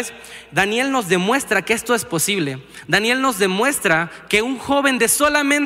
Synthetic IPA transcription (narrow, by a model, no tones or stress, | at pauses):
s | d̪anje̞lno̞zðe̞mwe̞st̪ɾakee̞st̪o̞e̞spo̞siβle̞ | d̪anje̞lno̞zðe̞mwe̞st̪ɾake̞uŋxo̞βe̞nd̪e̞so̞lamẽn